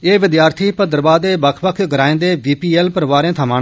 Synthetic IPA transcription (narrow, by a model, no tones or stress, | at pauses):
eːʋɪd̪jaːɾt̪ʰiːpəd̪əɾəbaːd̪eːbəkʰbəkʰɡəɾaːẽːnd̪eːʋiːpiːɛːlpəɾʋaːɾẽːt̪ʰəmaː